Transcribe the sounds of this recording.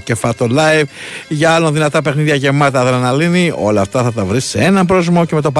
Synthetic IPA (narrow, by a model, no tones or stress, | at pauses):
ce̞fɐt̪olɐjvʝɐɐlonðinɐt̪ɐpe̞xniðʝɐʝe̞mɐt̪ɐːðɾɐnɐlinio̞̰lɐːft̪ɐθɐt̪ɐvɾisee̞nɐmpɾozmo̞ce̞me̞t̪̬o̞pɐ